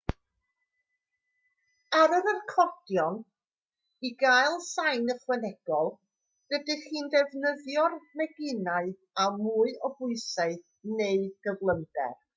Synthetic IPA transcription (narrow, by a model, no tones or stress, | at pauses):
aɾənərkʰɔd̥jɔn | iɡajlˠsajnəχwɛnɛɡ̥ɔlˠ | d̥ədɨχiːndɛvnəðjɔrmɛɡɪnaɨ | amuːɨɔbʊɨsaɨ | neɨɡ̥əvlˠəmdɛ̰r